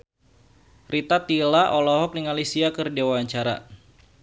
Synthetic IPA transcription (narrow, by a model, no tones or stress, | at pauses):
rʔit̪at̪ilaʔɔlɔɦɔk̚niŋalisiakɨrdewaɲt͡ʃaɾa̰